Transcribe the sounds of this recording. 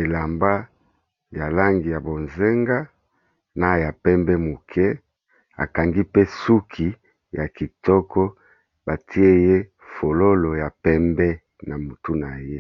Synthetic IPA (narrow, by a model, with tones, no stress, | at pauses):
e˨la˨mba˦ | ja˨la˦ŋɡi˨ja˨bo˨nze˦ŋɡa˦ | na˦˨ja˨pɛ˦mbɛ˦mu˨kʰɛ˦ | a̰˨ka˨ŋɡi˦pe˦su˦kʰi˨ | ja˨ki˨tɔ˦kɔ˦ | ba˨tʰi˦e˦je˦ | fo˨lo˦lo˨ja˨pɛ˦mbɛ˦ | na˨mu˨tu˦na˨je˦